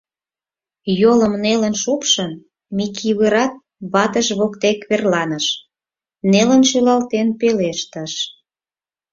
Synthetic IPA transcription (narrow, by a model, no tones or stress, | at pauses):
joləmnelənʃupʃən | mikʰiβəɾɑt̪̚ | βɑt̪əʃβokt̪ekβerlɑnəʃ | nelənʃylɑlt̪enpeleʃt̪əʃ